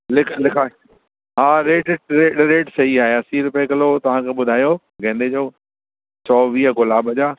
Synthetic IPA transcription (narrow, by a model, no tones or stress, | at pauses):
lɪkʰlɪkʰaː | ɦaːɾeːʈɾeːɗɾeːʈsɐɦiaːɦeasiːɾʊpekɐlot̪ɐʋ̤ãkʰeːɓʊd̪ʱaːjoː | ɡẽːnd̪ed͡ʑoː | sɔːʋiːɦəɡʊlaːbəd͡ʑaː